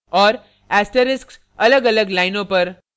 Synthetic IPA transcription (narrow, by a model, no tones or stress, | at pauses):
ɔːɾ | æsʈəɾɪsks | ələɡələɡlajnopəɾ